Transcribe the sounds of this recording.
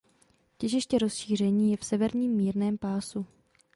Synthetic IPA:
cɛʒɪʃcɛɾo̞sʃiːr̝ɛɲiːjɛfsɛvɛɾɲiːmːiːɾnɛːmpaːsu

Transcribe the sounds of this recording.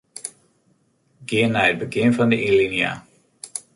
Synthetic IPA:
ɡɪənaəd̚bəɡɪnvɑndəʔilinja̰ː

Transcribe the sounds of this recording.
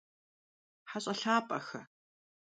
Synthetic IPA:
ħaɕʼɐɬaːpʼɐxɐ

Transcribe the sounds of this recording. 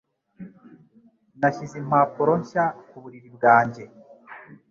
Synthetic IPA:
naʃizim̥aːpoɾoɲʃakuβuɾiɾibɡaːɲɟe̞

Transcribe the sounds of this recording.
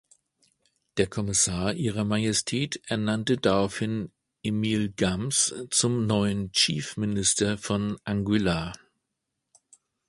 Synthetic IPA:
d̥eːɐkʰɔmɪsaːɐʔiːʁ̞ɐmajɛstʰɛːtʔɛɐnantədaʁaʊfhɪn | ʔemiːlɡamst͡sʊmnɔʏənt͡ʃiːfmɪnɪstɐfɔnʔaŋɡyla

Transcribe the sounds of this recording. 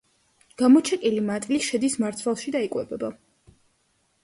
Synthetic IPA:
ɡ̥amɔt͡ʃʰɛkʼilimat̪ʼliʃɛd̪ismaɾt̪sʰvalˠʃid̪aikʼwɛbɛba

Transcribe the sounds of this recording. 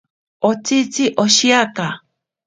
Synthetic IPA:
ot͡sit͡siʔoʃiaka

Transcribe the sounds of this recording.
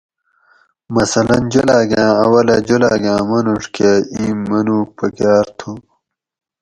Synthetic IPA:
mɐsɐlɐnd͡ʑulaːɡʲãːɐwɐlɐd͡ʑulaːɡãːmɐnuʂkeĩːmːɐnuːpɐɡjaːɾt̪ʰu

